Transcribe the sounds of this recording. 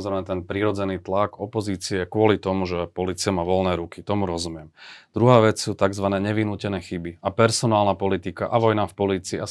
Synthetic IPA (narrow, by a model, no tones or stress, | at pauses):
zɾɛjmɛt̪ɛnpɾiɾɔd͡zɛniːt̪laɡɔpɔziːt͡siɛkwʊɔlit̪ɔmuʒɛpɔliːt͡siamaːʋɔlnɛːɾukit̪ɔmuɾɔzumɪɛmd̪̥ɾuɦaːʋɛt͡ssuːt̪aɡzʋanɛːɲɛʋinuːcɛnɛːxibiapɛɾsɔnaːlnapɔlit̪ikaʔaʋɔjnafpɔliːt͡siːa